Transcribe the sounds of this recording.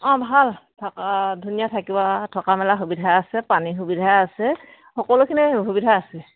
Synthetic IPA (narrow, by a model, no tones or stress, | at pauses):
ɔ̃bʱaltʰakadʱunijatʰakibatʰɔkamɛlaxubidʱaasɛpanixubidʱaasɛ | xɔkɔlukʰiniɦubidʱaasɛ